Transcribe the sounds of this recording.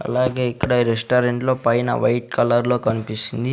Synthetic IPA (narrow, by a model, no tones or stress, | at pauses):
ɐ̰laːɡeːikːɐɽɐiɾesʈaːɾeɳʈlo̞ːpɐjinɐ̰ʋɐjʈkɐlɐɾlo̞ːkɐnipisind̪i